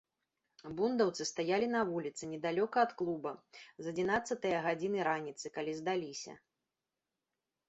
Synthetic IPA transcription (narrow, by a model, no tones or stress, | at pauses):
bund̪ɐwt̪sɨst̪ajalʲinɐvulʲit̪sɨnʲɛd̪alʲɔkɐːt̪klˠubɐzɐd͡zʲinat̪sːɐt̪ɨjɐɣad͡zʲinɨɾanʲit̪sɨkalʲizd̪alʲisʲɐ̰